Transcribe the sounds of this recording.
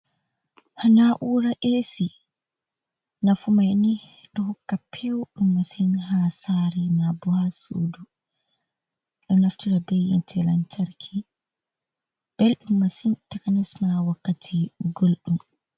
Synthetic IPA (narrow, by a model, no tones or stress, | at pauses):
hanaʔuːɾaʔesi | nafumajni | ɗɔhɔkːapʰɛwɗumːasinɦasaɾimabɔhasṵːdu | ɗɔnaftiɾabejintʰɛlantaɾkʰi | b̥elɗumːasintɛkanɛsmawakːatʰiɡolɗum